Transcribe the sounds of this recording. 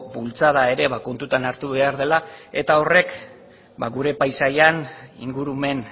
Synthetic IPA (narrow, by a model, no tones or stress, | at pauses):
bult͡sað̞ae̞ɾe̞βako̞nt̪ut̪anaɾt̪uβe̞aɾð̞e̞lae̞t̪ao̞re̞k | baɣuɾe̞pajsajanḭŋɡuɾume̞n